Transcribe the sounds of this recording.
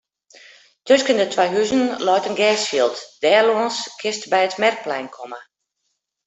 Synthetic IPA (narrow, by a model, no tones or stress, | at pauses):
tøskəndətʰʋɛjɦyzənlɔjtənɡɛːsfiəlˠtd̥ɛːloənskʰɪstbɛjətmɛrk̚plɛjnkʰɔmə